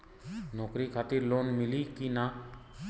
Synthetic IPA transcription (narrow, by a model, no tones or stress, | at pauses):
nɔːkɾikʰaːt̪iɾloːnmilikina